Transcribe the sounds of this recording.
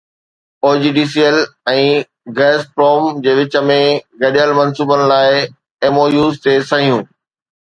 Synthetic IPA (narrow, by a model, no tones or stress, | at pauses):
oːd͡ʑiːɖiːsijəlɛ̃ː | ɡɛːspɾoːmd͡ʑeːʋɪt͡ɕə̆mẽɡɐɗijalmɐ̃nsuːbənɪ̆laːɪ | eːmoːjuːzt̪esɐɦijũː